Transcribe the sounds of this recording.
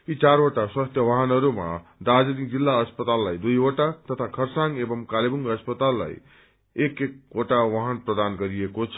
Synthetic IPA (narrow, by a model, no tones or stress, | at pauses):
it͡saɾoʈaswast̪ʰjʌwaɦanʌɾuma̰d̪ad͡zʌnikd͡zilːaʌspʌt̪alːajd̪ujoʈat̪ʌt̪ʰakʰʌrsaŋɡebʌmkalibuŋɡʌspʌt̪alːa̰j | ekek̚oʈawaɦanprʌd̪anɡʌɾiekot͡sʰʌ